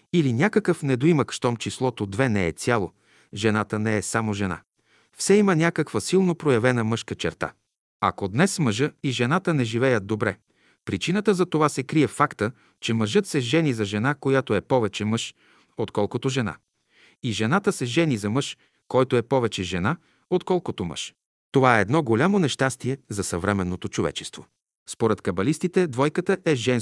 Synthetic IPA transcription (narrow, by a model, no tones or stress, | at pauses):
ilinʲakəkəfnɛd̪oiməkʃt̪ɔmt͡ʃislˠɔt̪od̪vɛnɛɛ̰t̪sʲjalˠo̰ | ʒɛnat̪ənɛːsamoʒɛna̰ | fsɛimənʲakəkvəsilˠnopɾojɐvɛnəmɤʃkət͡ʃɛɾt̪a̰ | ɐ̰kod̪nɛsməʒəiʒɛnat̪ənɛʒivɛjəd̪̚d̪obɾɛ | pɾit͡ʃinət̪əzɐt̪ovasɛkɾiɛfakt̪ə | t͡ʃɛməʒɤt̪sɛʒɛnizɐʒɛnakojat̪oɛpɔvɛt͡ʃɛmɤʃ | ot̪kɔlˠkot̪oʒɛna̰ | iʒɛnat̪əsɛʒɛnizɐmɤʃ | kɔjt̪oɛpɔvɛt͡ʃɛʒɛna | ot̪kɔlˠkot̪omə̰ʃ | t̪ovaɛːd̪nɔɡolʲamonɛʃt̪ast̪iɛzɐsɐvɾɛmɛnːot̪ot͡ʃovɛ̰t͡ʃɛ̥st̪vo̰ | spoɾɛt̪kɐbɐlist̪it̪ɛd̪vɔjkət̪əʔɛʒɛn